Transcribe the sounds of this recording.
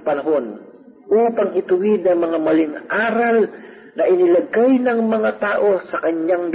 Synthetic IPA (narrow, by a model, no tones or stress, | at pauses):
pɐnɐɦon | ʔuːpɐŋɪt̪ʊwɪd̪ɐŋmɐŋamɐlɪŋaːɾɐl | nɐʔɪnɪlɐɡajnɐŋmɐŋat̪aːʔo̞sɐkɐɲɲaŋb